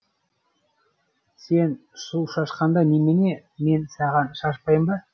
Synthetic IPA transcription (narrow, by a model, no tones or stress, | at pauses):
se̞nsuʃɑʃqɑnd̪ɑnemene̞ | me̞nsɑʁɑnʃɑʃpɑjəmbɑ